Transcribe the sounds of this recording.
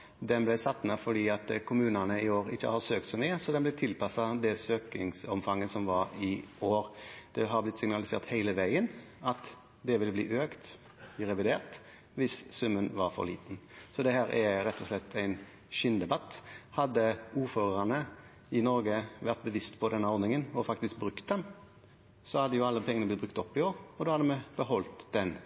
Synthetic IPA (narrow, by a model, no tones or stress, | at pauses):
d̪ɛnblæɪsɑt̪ːnəfɔɖiːɑt̪kʰʊmʉːnənəɪoːɾɪçːə̰hɑɾsøːkt̪sɔmyːəsɔd̪ɛnblɛɪt̪ʰɪlpɑsɑd̪ɛsøːkɪ̰ŋsɔmfɑŋːəsɔmʋɑɾɪoːɾd̪̥ɛɦɑɾblɪt̪ːsɪŋnɑlɪsḛːʁt̪hæɪləʋæɪən | ɑt̪ | d̪ɛʋɪlblḭːʔøːkt̪ | ɪɾɛʋɪd̪eːʁt̪ | ʋɪssʉmːənʋɑɾfɔ̰ɾɭḭːt̪n̩sɔd̪ɛhæːɾʔæɾɛt̪ʰːɔslɛt̪ʰːæɪn | ʃɪnd̪ɛbɑt̪ːhɑd̪ːəuːɾføːʁɑnə | ɪnɔɾɡəʋæʁt̪̚bəʋɪst̪pʰɔd̪ɛnːəɔɾd̪nɪŋənɔfɑk̚t̪ɪsk̚bɾʉkt̪̚d̪ɛm | sɔhɑd̪ːəjʊɑlːəpʰɛŋənəblɪt̪bɾʉkt̪ɔpːɪoːɾɔd̪oːhɑd̪əmɛb̥əhɔlt̪d̪ɛn